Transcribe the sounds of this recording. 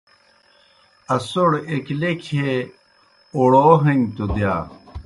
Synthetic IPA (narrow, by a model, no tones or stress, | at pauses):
ɐsoɽeklekʰe | oɽoːɦɐnt̪od̪jaː